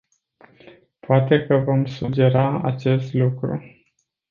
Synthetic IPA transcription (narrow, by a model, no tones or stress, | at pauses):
poat̪e̞kəvo̞msud͡ʒe̞ɾaa̰t͡ʃe̞st̪lukɾṵ